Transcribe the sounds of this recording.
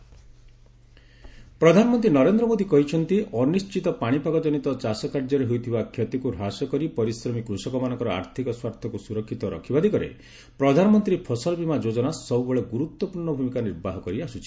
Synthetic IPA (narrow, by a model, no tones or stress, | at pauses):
pɾɔd̪ʱanɔmɔnt̪ɾinɔɾend̪ɾɔmod̪ikɔɦit͡ʃʰɔnt̪iɔnist͡ʃit̪ɔpaɽ̃ipaɡɔd͡ʒɔnit̪ɔt͡ʃasɔkaɾd͡ʒɔɾeɦojt̪ʰibakʰjɔt̪ikuɾʱasɔkɔɾipɔɾisɾɔmikːɾusɔkɔmanɔ̃ŋkɔɾɔa̰ɾt̪ʰikɔswaɾt̪ʰɔkusuɾɔkʰːit̪ɔɾɔ̰kʰibad̪ikɔɾḛ | pɾɔd̪ʱanɔmɔnt̪ɾipʰɔsɔlɔbimad͡ʒod͡ʒɔnasɔubeɭeɡuɾut̪wɔpuɾɳɔbʱumikaniɾbaɦɔkɔɾiasut͡ʃʰi̥